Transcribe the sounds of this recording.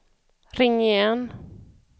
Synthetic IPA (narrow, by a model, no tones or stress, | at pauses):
ɾɪŋːɪjɛn